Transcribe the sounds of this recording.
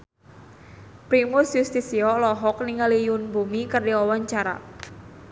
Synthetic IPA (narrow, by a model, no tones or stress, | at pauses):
pɾimʊsjust̪isiɔlɔɦɔk̚niŋalijʊnbumikərdiɔwaɲt͡ʃaɾa̰